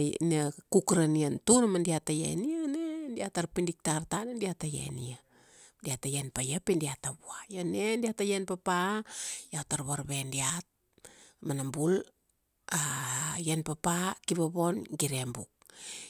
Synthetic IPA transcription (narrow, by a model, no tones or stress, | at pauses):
nakukɾaniantunamandiatajḛnianendiataɾpindik̚tartanendiatajḛnḭa | diatajenpajapindiataβuajonendiatajenpapajataɾβaɾβendiat̚ | manambul | ajenpapakiβabo̞nɡiɾembṵk̚